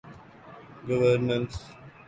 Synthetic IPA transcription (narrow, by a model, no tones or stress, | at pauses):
ɡəʋəɾnə̃ns